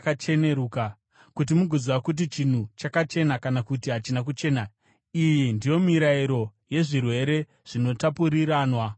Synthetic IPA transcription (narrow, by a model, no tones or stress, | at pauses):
kat͡ʃe̞ne̞ɾuːka | kut̬imuɡʱuziwakut̬it͡ʃin̤ut͡ʃakat͡ʃe̞nakanakutiɦat͡ʃinak̬ut͡ʃe̞ːna | ijindijo̞miɾaiɾo̞je̞ʐirwe̞ɾe̞ | ʐ̥ino̞tapuɾiɾaːnwa